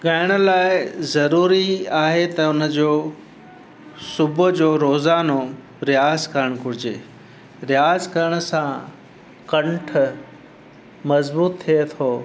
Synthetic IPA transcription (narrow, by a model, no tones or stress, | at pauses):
ɠaːɪɽ̃ə̆laːɪzɐɾuːɾiaːɦet̪ɐʊnə̆d͡ʑoː | sʊbʱʊd͡ʑoːɾoːzaːno | ɾɪjaːzkɐɾəɽ̃kʊɾɪd͡ʑeː | ɾɪjaːzkɐɾəɽ̃ʊ̆sã | kɐ̃ɳʈʰ | mɐzbuːt̪ʰːiet̪ʰoː